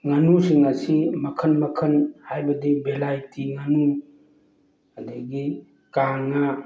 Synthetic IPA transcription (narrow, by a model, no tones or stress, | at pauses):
ŋanusiŋasimɐkʰənmɐkʰənhajbɐdibelajtiŋanu | adiɡi | kaŋa